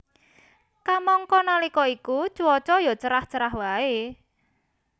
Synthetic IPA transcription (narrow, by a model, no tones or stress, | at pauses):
kamɔŋkɔnalikɔikut͡ʃuɔt͡ʃɔjɔt͡ʃəɾaht͡ʃəɾaɦwae